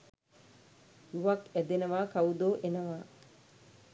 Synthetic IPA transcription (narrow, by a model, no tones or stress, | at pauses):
juʋakæd̪enəʋaːkawud̪oːʔenəʋaː